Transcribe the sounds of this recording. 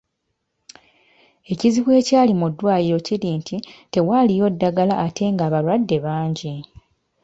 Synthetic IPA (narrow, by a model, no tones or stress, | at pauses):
e̞ciziβwe̞ːcaːlimudːwaːjiɾo̞ciliːntʰite̞walijo̞dːaɡalaʔːtʰe̞ŋɡaːβalwadːe̞βaːɲɟi